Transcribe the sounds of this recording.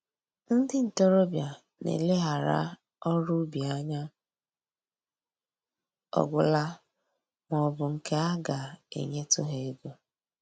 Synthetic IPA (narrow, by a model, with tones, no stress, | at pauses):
n̩˦dɪ˦n̩˨tɔ˦ɾo˦bja˨ | nḛ˨le˦ɦa˨ɾa̰˦ | ɔ˦ɾʊ˦bi˨a˦ɲa˦ | ɔ̰˦ɡʷʊ˦la˦ | mɔ˨bʊ˨ŋ̩˨ke˦a˦ɡa˨ḛ˨ɲe˦tʊ˦ɦe˨e˦ɡo˦